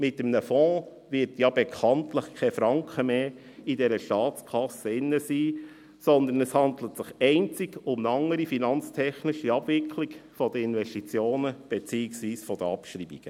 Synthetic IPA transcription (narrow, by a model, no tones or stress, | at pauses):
mɪtəmnəfɔ̃ː | ʋɪɾtjɑbekʰɑntləχkʰɛfɾɑŋkχəmeː | idɛɾəʃtɑːtt͡skʰɑsəɪnːəsiː | sɔnd̪ənɛshɑnd̪lət̪sɪχɛɪnt͡sɪɡʊmnɑŋːəɾifinɑnt͡st̪ʰɛχnɪʃiɑb̥vɪkʰlikfɔd̥̪əɪnʋɛʃtit͡sjoːnəb̥ɛt͡siːɪksʋiːsfɔd̥̪əɑpʃɾiːb̥iɡ̥ə